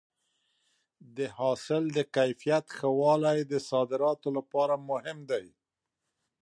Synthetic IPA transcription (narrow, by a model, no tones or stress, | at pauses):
d̪əhɑsɪld̪əkajfijat̪xəwɑlajd̪əsɑd̪ɪɾɑt̪olapɑɾamʊhɪmd̪aj